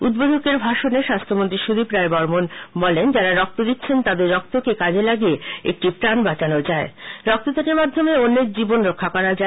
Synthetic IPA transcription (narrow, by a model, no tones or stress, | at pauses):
ud̪bod̪ʱokeɾbʱaʃoneʃast̪ʰomont̪ɾiʃod̪ipɾaebɔɾmonbɔlend͡ʑaɾaɾɔk̚t̪od̪it̪ːɕʰent̪ad̪eɾːɔk̚t̪okekad͡ʑelaɡieḛk̚ʈipɾanbat͡ɕanod͡ʑaeɾɔk̚t̪ot̪akeɾmad̪ʱːomeonːek̚d͡ʑibonɾokʰːakɔɾad͡ʑa